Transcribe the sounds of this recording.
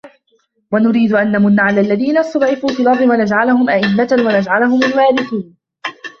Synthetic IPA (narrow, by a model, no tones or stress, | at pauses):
wanʊɾiːd̪ʊʔanːamʊnːaʕalalːaðiːnast̪ɑd̪ˤʕɪfuːt̪ʊlɑɾˤːɪwʔanad͡ʒʕalahʊmʔaʔɪmːat̪awanad͡ʒʕalaɦʊmʊlwaːɾɪθuːn